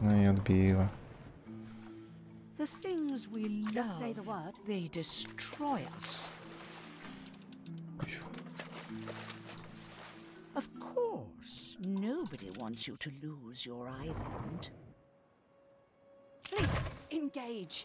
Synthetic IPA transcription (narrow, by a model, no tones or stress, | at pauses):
nããd̪biwa | ðɨθɪ̃ŋzwilʌʌeɪðəwʌtðeɪdɨstʰɹ̥ɔɪʌ̰s | ʌv̥kʰɔɹsnoʊbɨɾḭwɑ̰̃ntsjɨɾɨluzjə˞aɪlɨ̰̃nd̥ | litɨ̃nɡeɪ̥d͡ʒ̥